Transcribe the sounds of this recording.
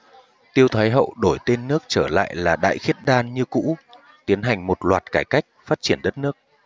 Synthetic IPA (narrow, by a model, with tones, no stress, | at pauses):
t̪i˧əwt̪ʰaː˨˦jɦə̰˧˨wɗo˧˩jt̪e˧nːɨ˦˥ək̚t͡ɕəː˧˩la̰ː˧˨jlaː˨˩ɗa̰ː˧˨jxi˦˥ət̚ɗaː˧nɲɨ˧kṵ˧˥ | t̪i˨˦ənɦa˨˩jŋ̟mo˨˩t̚lwaː˨˩t̚kaː˧˩jka˦˥jk̟̚faː˦˥t̚t͡ɕi˧˩ənɗə˦˥t̚nɨ˦˥ək̚